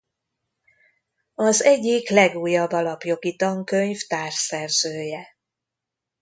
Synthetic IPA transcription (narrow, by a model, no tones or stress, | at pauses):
ɒzɛɟːiklɛɡuːjːɒbːɒlɒpjo̞ɡit̪ɒŋkø̞ɲft̪aːrʃsɛrzøːjɛ